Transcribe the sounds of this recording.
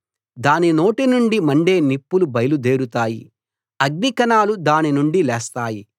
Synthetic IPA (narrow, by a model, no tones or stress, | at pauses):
d̪aːnino̞ːʈinuɳɖimɐɳɖeːnipːulubɐjlud̪e̞ːɾut̪aːjḭ | ɐɡnikɐnaːlud̪aːninuɳɖilɛːst̪aːji